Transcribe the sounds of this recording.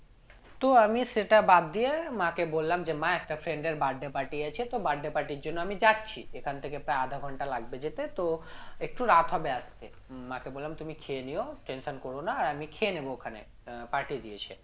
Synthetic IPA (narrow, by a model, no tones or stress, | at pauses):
t̪oamiʃeʈabad̪d̪iemãkebolːamd͡ʑemãɛk̚ʈafɾeɳɖeɾbaɖːepaɾʈiɛt͡ɕʰet̪obaɖːepaɾʈiɾd͡ʑonːoamid͡ʑatːɕʰḭekʰant̪ʰekepɾaead̪ʱaɡʱɔɳʈalaɡbed͡ʑet̪et̪oek̚ʈuɾat̪ɦɔbeast̪e | makebolːamt̪umikʰeenioʈenʃonkoɾonaːɾamikʰeenebookʰane | paɾʈied̪ijet͡ɕʰḛ